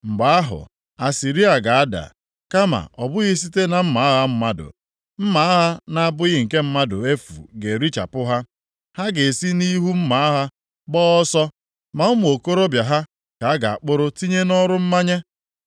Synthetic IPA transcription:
ŋ͡m̩˨ɡ͡ba˨a˦ɦʊ̰˨ | a˨si˨ɾi˦a˨ɡa˨a˦da̰˨ | ka˦ma̰˨ʔɔ˨bʊ˦ɣi˦s̬i˦te˦na˨m̩˦ma˨˦a˦ɦa˦m̩˦ma˦dʊ̰˨ | m̩˦ma˦a˦ɦa˦na˦a˦bʊ˦ɣɪ˦˨ŋ̩˨ke˦m̩˦ma˦dʊ̰˨e˦fṵ˨ɡe˨ɾi˦t͡ʃa̰˨pʊ˦ɦa˦ | ha˦ɡe˨si˦ni˦ɦu˦m̩˦ma˨˦a˦ɦa˦ | bɔː˦ɔ˦sɔ˦ | ma˨ʊ˦mʊ˨o˨ko˦ɾo˦bja˨ɦa˦ | ka˨a˦ɡa˨a̰˨k͡pʊ˦ɾʊ˦ti˦ɲe˦nɔ˦ɾʊ˦m̩˦ma˦ɲe˦

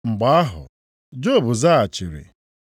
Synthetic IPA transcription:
ŋ͡m̩˨ɡ͡ba˨˦a˦ɦʊ̰˨ | d͡ʒo˦˨bʊ˨za˦a˨t͡ʃi˨ɾḭ˨

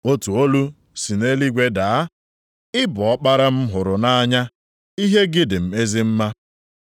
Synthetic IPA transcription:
o˦tu˨o˦lu˦ | si˨ne˦li˦ɡʷe˦da˨a˦ | ɪ˦bɔ˨ɔ˦k͡pa˦ɾa˦m̩˦ɦʊ˨ɾʊ˨na˦a˦ɲa˦ | i˦ɦe˦ɡɪ˦dɪ˨m̩˨me˦zɪ˦m̩˦ma˦

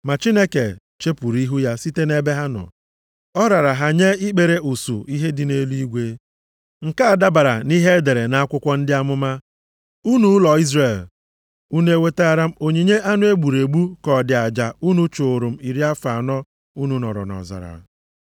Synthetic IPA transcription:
ma˨t͡ʃi˦ne˦ke˨ | t͡ʃe˦pu˨ɾi˦ɦu˦ja˦si˦te˦ne˦be˦ɦa˦nʊ̰˨ | ɔ˦ɾa˨ɾa˨ɦa˨ɲe˦i˦k͡pe˨ɾe˦ʔu˨su˨i˦ɦe˦dɪ˨ne˦lu˦i˦ɡʷe˦ | ŋ̩˨ka˦a˨da˦ba˨ɾa̰˨ni˦ɦe˦e˦de˨ɾe˨na˦a˦kʷʊ˦kʷɔ˦n̩˦dɪ˦a˦mʊ˦ma˦ | u˦nu˦lɔ˨i˦zre˨l | u˦ne˦e˦we˦te˦a˦ɾa˦m̩˦o˨ɲi˨ɲe˦ʔa˦nʊ˦e˦ɡ͡bu˨ɾe˨ɡ͡bu˦kɔ˨dɪ˨a˨d͡ʒa˨u˦nu˦t͡ʃo˨ɾu˨m̩˦i˨ɾi˦a˦fa˨nɔ˦ | u˦nu˦nɔ̰˨ɾɔ̰˨nɔ̰˨za̰˨ɾa̰˨

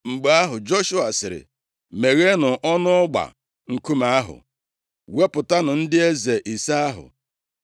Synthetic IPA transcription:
ŋ͡m̩˨ɡ͡ba˦ɦʊ˨d͡ʒo˦ʃu˦a˨sɪ˨ɾɪ̰˨ | me˨ɣe˦nʊ˨ʔɔ˦nʊ˦ʊ˦ɡ͡ba̰˨ | ŋ̩˨ku˦ma˦a˦ɦʊ̰˨ | we˦pʊ˨ta˦nʊ˨n̩˦dɪ˦e˦ze˨ʔi˨sa˦a˦ɦʊ̰˨

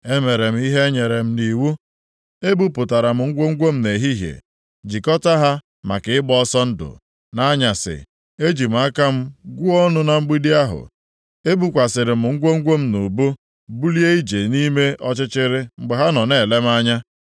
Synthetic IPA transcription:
e˦me˨ɾe˨m̩˦i˦ɦe˦ɲe˨ɾe˨m̩˦ni˨wu˦ | e˦bu˦pʊ˨ta˨ɾa˨m̩˨ŋ̩˦ɡʷo˦ŋ̩˦ɡʷo˦m̩˦ne˨ɦi˦ɦjḛ˨ | d͡ʒi˨kɔ˦ta˦ɦa˦ | ma̰˨kɪ˨ɪ˦bɔ˦sɔ˦n̩˦dʊ̰˨ | na˦ɲa˨sɪ̰˨ | e˦d͡ʒi˨m̩˨a˦ka˦m̩˦ɡʷu˦ɔ˦nʊ˦na˨ŋ͡m̩˦ɡ͡bi˦di˦a˦ɦʊ̰˨ | e˦bu˦kʷa˨sɪ˨ɾɪ˨m̩˨ŋ̩˦ɡʷo˦ŋ̩˦ɡʷo˦m̩˦nu˨bu˦ | bu˦li˦e˦i˦d͡ʒe˨ni˦me˦ʔɔ˦t͡ʃɪ˦t͡ʃɪ˦ɾɪ˦ŋ͡m̩˨ɡ͡bɪ˨ɦa˦nɔ˨ne˨le˦m̩˦a˦ɲa˦

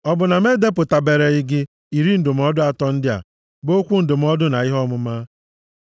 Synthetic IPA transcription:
ɔ˦bʊ˨na˨me˦de˦p̬ʊ˨ta˨be˨ɾe˨ɪ˦ɡɪ˦ | i˨ɾi˦n̩˦˨dʊ˨m̩˦ɔ˦dʊ˦a˦tɔ˦n̩˦dɪ˦a̰˨ | bo˦kʷu˦n̩˨dʊ˨m̩˦ɔ˦dʊ˦na˨i˦ɦɔ˦mʊ˦ma˦

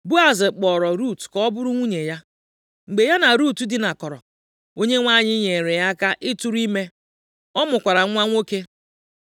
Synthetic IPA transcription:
bu˦a˨zɪ˨k͡pɔ˨ɾɔ˨ɾu˦˨tkɔ˦bʊ˦ɾʊ˦ŋʷu˦ɲe˨ja˦ | ŋ͡m̩˨ɡ͡be˨ja˦na˨ɾu˦˨tu˦dɪ˨na˨kɔ˨ɾɔ̰˨ | o˦ɲe˦ŋʷa˦ɲɪ˦ɲe˨ɾe˨ja˦ka˦ʔɪ˦tu˦ɾi˦me˦ | ɔ˦mʊ˨kʷa˨ɾa˨˦ŋʷa˦ŋʷo˦ke˦

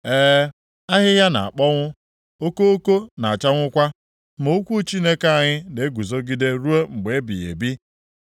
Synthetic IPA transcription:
eː˦ | a˦ɦɪ˦ɦja˦na̰˨a˨k͡pɔ˦ŋʷʊ˦ | o˦ko˦o˦ko˦na˨a˨t͡ʃa˦ŋʷʊ˦kʷa˦ | mo˨o˦kʷu˦t͡ʃi˦ne˦ka˨˦a˨ɲɪ˦ne˨e˦ɡu˨zo˦ɡi˦de˦ɾu˦e˦ŋ͡m̩˨ɡ͡be˨˦bḭ˨jḛ˨bi˦

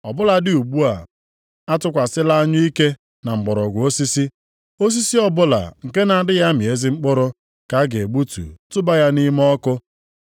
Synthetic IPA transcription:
ɔ˨bʊ˦la˨dɪ˨u˨ɡ͡bu˦a˨ | a˦tʊ˦kʷa˨sɪ˦la˦a˦ɲʊ˦i˦ke˦ | na˨ŋ͡m̩˨ɡ͡bɔ˨ɾɔ˨ɡʷo˦si˦si˦ | o˦s̬i˦si˦ɔ˦bʊ˦la̰˨ŋ̩˨ke˦na˨dɪ˦ɣja˦mɪ˨e˦zi˦ŋ͡m̩˦k͡pʊ˦ɾʊ˦ | ka˨˦ɡe˨ɡ͡bu˦tṵ˨tʊ˦ba˦ja˦ni˦m˦ɔ˦kʊ˦

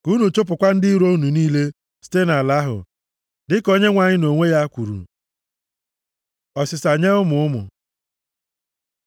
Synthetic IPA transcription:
ku˦nu˨t͡ʃo˦p̬ʊ˨kʷa˦n̩˦dɪ˦i˦ɾo˦u˦nu˨niː˦le˦ | si̥˦te˦na˨la˦ɦʊ̰˨ | dɪ˦ko˦ɲe˦ŋʷa˨ɲɪ˦no˨ŋʷe˦ja˦kʷu˨ɾṵ˨ | ɔ˨sɪ˨sa˨ɲe˦ʊ˦mʊ˨ʊ˦mʊ̰˨

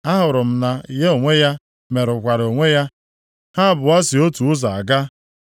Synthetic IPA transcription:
a˦ɦʊ˨ɾʊ˨m̩˨na˨i˨ɦe˦o˨ŋʷe˦ja˦ | me˨ɾʊ˨kʷa˨ɾo˨ŋʷe˦ja˦ | ha˦˨bʊ˨a˦sɪ˨o˦tu˨ʊ˦za˨a˨ɡa˦

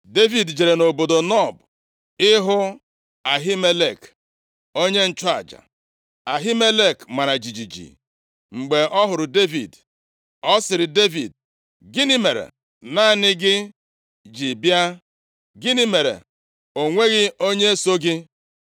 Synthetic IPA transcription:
de˦vi˨dd͡ʒe˨ɾe˨no˨bo˨do˨nɔ˦˨b | ɪ˦ɦʊ˦ | a˨ɦi˦me˦le˨k | o˦ɲe˦n̩˦t͡ʃʊ˦a̰˨d͡ʒa̰˨ | a˨ɦi˦me˦le˦˨kma˨ɾa˨d͡ʒi˨d͡ʒi˨d͡ʒḭ˨ | ŋ͡m̩˨ɡ͡be˨ɔ˦ɦʊ˨ɾʊ˨de˦vḭ˨d | ɔ˦sɪ˨ɾɪ˨de˦vi˨d | ɡɪ˦ni˦me˨ɾḛ˨ | na˦˨nɪ˦ɡɪ˦ | d͡ʒi˨bja˦ | ɡɪ˦ni˦me˨ɾḛ˨ | o˨ŋʷe˦ɣɪ˦o˦ɲe˦so˦ɡɪ˦

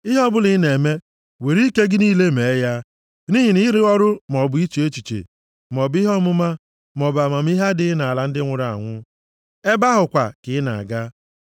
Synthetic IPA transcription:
ɪ˦ɦɔ˦bʊ˦lɪ˨˦ne˨me˦ | we˨ɾi˦ke˦ɡɪ˦niː˦le˦me˨˦ja˦ | ni˦ɦi˨ni˦ɾɪ˦ɔ˦ɾʊ˦m˨ɔ˨bʊ˦i˦t͡ʃe˦t͡ʃi˨t͡ʃḛ˨ | m˨ɔ˨bɪ˦ɦɔ˦mʊ˦ma˦ | mɔ˨ba˨ma˨m̩˦i˦ɦa˦dɪ˦na˨la˨n̩˦dɪ˦ŋʷʊ˨ɾa˨a̰˨ŋʷʊ˦ | e˦ba˦ɦʊ˨kʷa̰˨kɪ˨˦ɪ˦na̰˨a̰˨ɡa˦

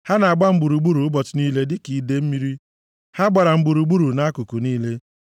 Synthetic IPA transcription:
ha˦na˨a˨ɡ͡ba˦m̩˦ɡ͡bu˨ɾu˨ɡ͡bu˦ɾu˨ʊ˦bɔ˨tʊ˨ni˦le˦dɪ˦ki˨de˦m̩˦mi˦ɾi˦ | ha˦ɡ͡ba˨ɾa˨m̩˨ɡ͡bu˨ɾu˨ɡ͡bu˦ɾu˨na˦ku˨ku˨niː˦le˦

